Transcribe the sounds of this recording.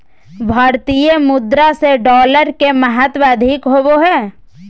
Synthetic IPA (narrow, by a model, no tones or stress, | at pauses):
bʱaːɾt̪ijəmʊd̪ɾaseɖɔːləɾkeməɦət̪ʋaəd̪ʱikɦoboɦɛː